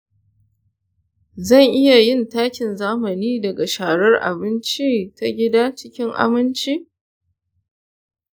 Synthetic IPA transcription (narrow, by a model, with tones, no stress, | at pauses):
zɐ˦˨ŋʔɪ˦ja˨jɪ˦ntaː˦kʲɪ˨nzaː˦mɐ˨niː˦dɐ˨ɡa˨ʃaː˨ɽɐ˦rʔa̰˨bɪ˦nt͡ʃiː˦ta˦ɡʲɪ˦daː˦t͡ʃɪ˦kʲɪ˦ŋʔa̰˦mɪ˦nt͡ʃiː˦ʔ